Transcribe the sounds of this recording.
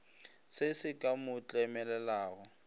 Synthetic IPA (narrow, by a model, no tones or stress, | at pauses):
sɪsɪkʼamʊt͡ɬʼɛmɛlɛlaːɣɔ